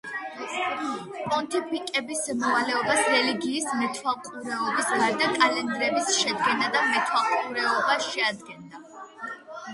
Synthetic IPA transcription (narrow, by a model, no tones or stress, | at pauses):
pʼɔnt̪ʰʼipʰikʼɛbismɔvalɛɔbasɾɛliɡiːsmɛt̪ʰwalˠqʼuɾɛɔbisɡaɾd̪akʼalɛnd̪ɾɛbisʃɛd̪ɡɛnad̪amɛt̪ʰwalˠqʼuɾɛɔbaʃɛad̪ɡɛnd̪a